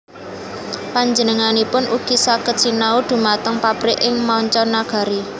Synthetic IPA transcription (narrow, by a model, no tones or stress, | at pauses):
paɲd͡ʒənəŋanipʊnʔuɡ̥i̤sakət̪̚sinaud̪̥ṳmat̪əŋpab̥ɾɪʔɪŋmaɔɲt͡ʃɔnːaɡ̥a̤ɾi